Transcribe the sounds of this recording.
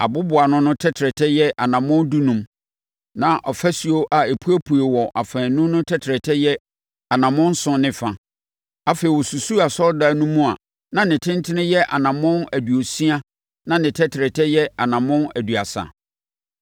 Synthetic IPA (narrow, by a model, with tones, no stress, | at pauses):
a̰˨bʊ˦bʊ˨a˨nʊ̃˦nʊ̃˦tʰɛ˦tʰɪ˨ɾɛ˨tʰɛ˦jɛ˦ʔa˨nã˨mʊ̃˦ndu˦nũ˨˦m | nã˨ʔɔ˨fæ˦si˨o˦ʔa˨e˨pʰu˦æ˦pʰu˨e˨wɔ˨ʔa˨fɛ̃˨nʊ̃˦nʊ̃˦tʰɛ˦tʰɾɛ˨tʰɛ˦jɛ˦ | a˨nã˨mʊ̃˦n̩˦sʊ̃˦nɪ̃˨fã˨ | a˨fe˨i˨wɔ˨su˨su˦a˨sɔ˦da˨nũ˦mũ˦a˨ | nã˨nɪ̃˨tʰɪ̃˦n˦tʰɪ˦nɪ̃˦jɛ˦ʔa̰˨nã˨mʊ̃˦næ˨du˨o˨si˦a˦ | nã˨nɪ̃˨tʰɛ˦tʰɪ˨ɾɛ˨tʰɛ˦jɛ˦a˨nã˨mʊ̃˦næ˨du˨a˨sa̰˨